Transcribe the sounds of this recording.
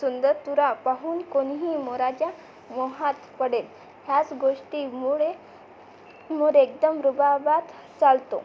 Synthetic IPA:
sund̪əɾt̪uɾapaɦuːnkonɦiːmɔɾat͡ɕja | mɔɦãt̪pəɽel | ɦjat͡sɡoʂʈimuɭe | moɽek̚d̪əmɾubabat̪ | t͡salt̪o̰

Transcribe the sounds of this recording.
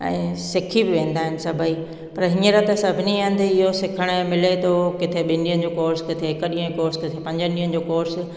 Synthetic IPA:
ɛ̰̃ːsɪkʰibɪʋẽːnd̪aːɦɪnɪ̆sɐbʱəi | pɐɾɦɪ̃ɲəɾɐt̪əsɐbʱɪniãn̆d̪ɪɦosɪkʰəɽ̃əmɪlet̪ʰokɪt̪ʰeɓɪndiən̆d͡ʑoːkoːɾskɪt̪ʰeɦɪkəɗiːə̃koːɾskɪt̪ʰepɐ̃ɲd͡ʑə̃nɗiːə̃n̆d͡ʑoːkoːɾs

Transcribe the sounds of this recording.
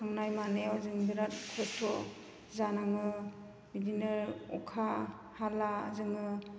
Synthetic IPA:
aŋnajmanejawzɯŋdiɾat̚kʰɔtʰɔ | zanaŋɯ | midineɾɔkʰa | hala̰zɯŋɯ

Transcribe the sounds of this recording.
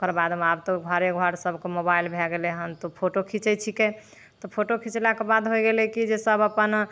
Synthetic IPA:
kəɾbad̪ʱmabt̪oɡʱɔɾeɡʱɔɾsəbkemobailbʱeɡeleɦənt̪opʰoʈokʰit͡ʃɛt͡ʃʰike | t̪ɔpʰoʈokʰit͡ʃlakebad̪ɦojɡelɛkid͡ʒesəbəpən

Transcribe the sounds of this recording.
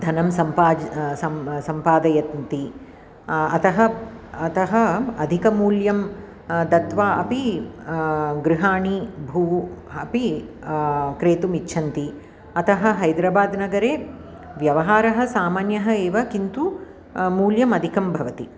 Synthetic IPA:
d̪ʱɐnɐmsɐmpaːd͡ʒsɐsɐmpaːd̪ɐjɐt̪nt̪i | ɐt̪ɐɦɐɐt̪ɐɦɐɐd̪ʱikɐmuːljɐm | d̪ɐt̪ʋaːʔɐpi | ɡɾiɦaːɳibʱuːɐpi | kɾeːt̪umitːʃʰɐnt̪i | ɐt̪ɐɦɐ̆ɦɐjd̪ɾaːbaːd̪nɐɡɐɾeː | ʋjɐʋɐɦaːɾɐɦɐ̆saːmaːnjɐɦɐeːʋɐkint̪u | muːljɐmɐd̪ʱikɐmbʱɐʋɐt̪i

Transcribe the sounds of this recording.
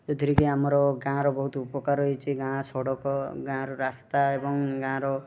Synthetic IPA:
d͡ʒɔd̪ʱiɾikiamɔɾɔɡãɾɔbɔɦut̪upɔkaɾɦɔjt͡ʃʰiɡãsɔɽɔkɔɡãɾɔɾast̪aebɔŋɡãɾɔ

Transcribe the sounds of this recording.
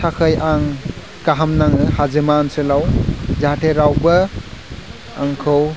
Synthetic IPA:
tʰakʰɯjaŋ | kaɦamnaŋɯhazɯmaːnsɯlawzaatʰeɾawbɐ | aŋkʰɯw

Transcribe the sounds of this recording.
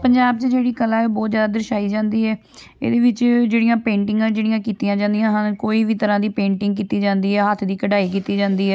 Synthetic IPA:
pəɲd͡ʒaːb̚t͡ʃd͡ʒeːɽiːkəlãːɛoːbɔːt̪zjaːd̪aːd̪əɾɪʃaːiːd͡ʒãːnd̪iːɦɛː | ḛːd̪eːʋɪt͡ʃd͡ʒeːɽijãːpẽːɳʈɪŋɡãːd͡ʒeːɽijãːkiːt̪ijãːd͡ʒãːnd̪ijãːɦənkoːiːʋiːt̪əɾãːd̪iːpẽːɳʈɪ̃ŋɡkiːt̪iːd͡ʒãːnd̪iːɦɛːɦət̪ʰd̪iːkəɖaːiːkiːt̪iːd͡ʒãːnd̪iːɦɛː

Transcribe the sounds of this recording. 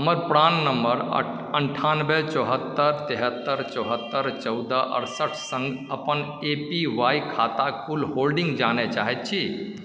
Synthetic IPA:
ɦəməɾpɾannːəməɾ̰ | əɳʈʰanbet͡ʃɔɦət̪ːəɾt̪eɦət̪ːəɾt͡ʃɔɦət̪ːəɾt͡ʃəʊd̪əʔə̰ɾsəʈʰsə̃ŋɡəpən | epiʋajkʰat̪akʰulɦolɖĩŋɡd͡ʒanɛt͡ʃaɦɛt̪̚t͡ʃʰi

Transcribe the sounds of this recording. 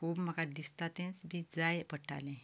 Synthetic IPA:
kʰuːbməkad̪ist̪at̪ẽnsbid͡zajpəʈa̰lẽ

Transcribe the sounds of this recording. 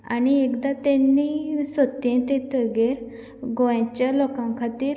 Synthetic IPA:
aniekd̪at̪ɛ̃nːisət̪ːẽt̪ẽt̪əɡeɾ | ɡõjat͡ɕjalɔkãŋkʰat̪iːɾ

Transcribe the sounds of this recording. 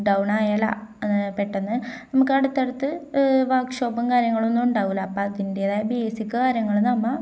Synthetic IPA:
ɖɐwɳaːjalɐ̰peʈːɐnːɨnɐmukːɐɽut̪ːeɽɐt̪ːɨʋaːkʂoːbɐmkaːɾjɐŋːɐɭo̞nːuuɳɖaːʋulɐpːaðindeɐðaːbeːsikʲːɐkaːɾjɐŋːɐɭnɐmːɐ

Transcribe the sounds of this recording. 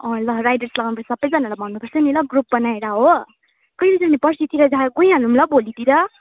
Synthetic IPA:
ʌ̃lʌrajdʌrslʌɡanupʰʌi̥sʌbʌjd͡zʌnalabʱʌnnupʌrt͡sʰʌnilʌɡrup̚bʌnaeɾaɦo | kʌjlid͡zanipʌrsit̪iɾʌd͡zaɡoj̃ãlumlʌbolit̪iɾʌ

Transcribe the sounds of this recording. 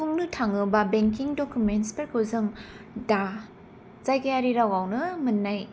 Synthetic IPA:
uŋnɯtʰaŋɯbɐbeŋkiŋdokjumenspeɾkʰɯzɯŋ | da | z̥ajkajaɾiɾawawnɯmɯnːaj

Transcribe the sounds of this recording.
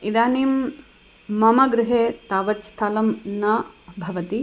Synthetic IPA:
id̪aːniːmː | ɐmɐɡɾɪɦeːt̪aːʋɐt̪st̪ʰaːlɐmnɐbʱɐʋɐt̪i

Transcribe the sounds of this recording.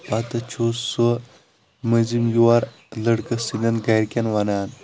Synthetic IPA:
pat̪ɐt͡ʃʰossɐ | məzimjuwaɾ | lɐɽkəsinɐnɡajɾkʲanʋanaːn

